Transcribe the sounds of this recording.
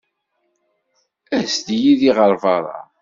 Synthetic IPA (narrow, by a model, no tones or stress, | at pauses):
æst̪jiðiʁəɾˤvɑɾˤɑ̰